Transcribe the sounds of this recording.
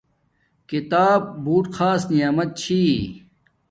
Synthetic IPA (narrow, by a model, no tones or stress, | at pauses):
kit̪aːb̚ːuːʈxʰaːsnijaːmɐt̪̚t͡ɕʰiː